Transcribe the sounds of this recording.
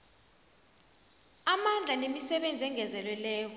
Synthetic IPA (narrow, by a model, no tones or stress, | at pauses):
amand͡ɮʱanemisɛɓend͡zʱɛŋɡʱɛzɛlwɛlɛːkʰɔ